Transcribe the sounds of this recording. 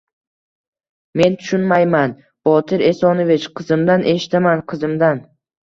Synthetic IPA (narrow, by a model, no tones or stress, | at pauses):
me̞nt̪ʰʊ̥ʃʊnmajman | b̥ɒt̪ʰɪɾe̞sɒnovɪt͡ʃqʰɨzɪmd̪anʔe̞ʃɪ̥t̪amanqʰɨzɪmd̪an